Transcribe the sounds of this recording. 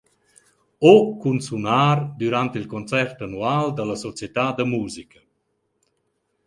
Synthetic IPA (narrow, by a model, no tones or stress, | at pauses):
okunsunaːɾd̪uɾant̪ilkont͡sɛrt̪anuald̪ələsɔt͡sjet̪ad̪əmuːzikə